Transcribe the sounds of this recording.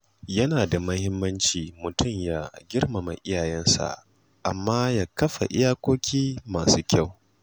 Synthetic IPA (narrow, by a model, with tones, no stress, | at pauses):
jɐ˦naː˨da˨mɐ˦hɪ˦mːɐ˦nt͡ʃiː˨mʊ˨tʊ˦˨mja˦ɡʲɪ˦rmɐ˨ma˨ʔɪ˦jaː˨jɛ˦nsa̰˨ | ʔa̰˨mːaː˦jaː˦kɐ˦ɸa̰˨ʔɪ̰˦jaː˦kʷoː˦kʲiː˦maː˨suː˦kʲa˦˨w